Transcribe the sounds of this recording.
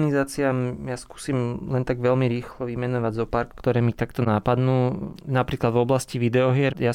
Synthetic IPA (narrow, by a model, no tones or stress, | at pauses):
nizaːt͡siamjasku̥ːsiːmlɛnt̪aɡʋɛlmiɾiːxlɔʋimɛnɔʋaɟzɔpaɾkːt̪ɔɾɛːmit̪akt̪ɔnapad̪nuːnapɾiːklad̪vɔblasciʋid̪ɛɔɦɪɛɾja